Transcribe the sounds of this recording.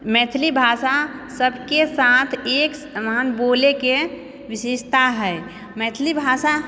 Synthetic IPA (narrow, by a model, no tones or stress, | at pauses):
mɛːt̪ʰlibʱaːʃasəbʱkesaːt̪ʰeːksmanboːleke | ʋɪʃeːʃt̪aɦɛː | mɛːt̪ʰlibʱaːʃa